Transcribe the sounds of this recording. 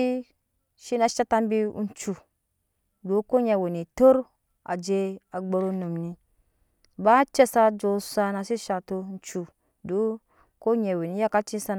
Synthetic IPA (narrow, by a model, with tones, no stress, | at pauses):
ʃi˦na˦ʃa˦ta˦mbi˦ṵ˦n˦t͡ʃu˨ | do˨˦ko˦ɲe˨wo˨ni˨to˦ɾ | a̰˨d͡ʒe˦a˨ɡ͡bo˦ɾo˦no˨mni˨ | ba˦t͡ʃe˦sa˦d͡ʒo˨sa˦na˨si˦ʃa˨to˦n̩˦t͡ʃu˨ | do˨˦ | ko˦ɲe˨wo˨ni˨˦ja˦ka˦t͡ʃi˦sa˦n